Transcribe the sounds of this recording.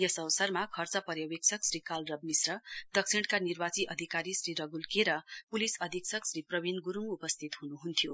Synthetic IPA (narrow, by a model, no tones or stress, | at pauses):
jʌsʌwsʌrmakʰʌrt͡sʌpʌɾjaweksʰʌksrikalrʌb̚misrʌd̪ʌk̚sʰiɳɽkanirbat͡siʔʌd̪ʱikaɾisɾiɾʌɡulkeɾʌpulisʌd̪ʱiksʰʌksriprʌbʱinɡuɾumupʌst̪ʰit̪ɦunuɦunt̪ʰjo